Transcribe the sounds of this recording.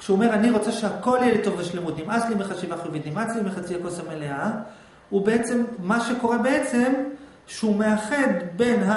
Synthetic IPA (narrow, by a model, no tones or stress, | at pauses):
kʃuome̞ʁaniʁo̞t͡seʃeako̞ljelit̪o̞vveʃlemut̪imat͡slimiχaʃivaχovid̪imat͡slimiχat͡siakosamelea | ubeet͡se̞mːaʃeko̞ʁebe̞et͡se̞m | ʃeumeaχe̞d̪be̞nɦa